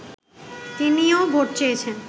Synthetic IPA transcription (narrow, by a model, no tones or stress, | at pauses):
t̪iniobʱoʈ̚t͡ɕejet͡ɕʰen